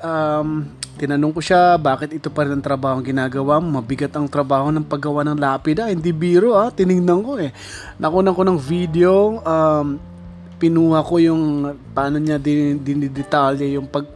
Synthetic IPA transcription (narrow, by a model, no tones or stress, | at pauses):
ʔamt̪ɪnɐnoŋkoʃabaːkɪt̪ʔɪt̪opɐɾɪnɐŋt̪ɾɐbaːhoŋɡɪnaːɡɐwammɐbɪɡat̪ɐŋt̪ɾɐbaːho̞nɐŋpɐɡɐwanɐŋlaːpɪd̪ɐhɪnd̪ibiːɾoʔat̪ɪnɪŋnɐŋko̞ɛ | nʔɐkunɐŋko̞nɐŋvid̪ɛo̞ʔam | pɪnuːhɐko̞jʊŋpaːno̞ɲad̪ɪd̪ɪnɪd̪ɛt̪aljɐjʊŋpɐɡ̚